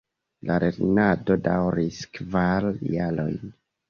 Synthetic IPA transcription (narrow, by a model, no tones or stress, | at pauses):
laɾʔeɾnado̞dawɾiskvaljalo̞̰jn